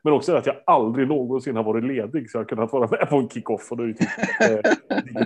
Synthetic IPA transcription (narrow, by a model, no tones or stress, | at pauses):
mɛnɔksɔd̪æɾat̪jaald̪ɾɪɡnoːɡɔnsɪnːhad̪vɑːɾɪt̪leːd̪ɪɡsɔjaadkʰɵnːahat̪vɑːɾamɛpʰɔɛnkʰɪkːɔfːɔd̪ɛt̪ʰɪ | lɪɡ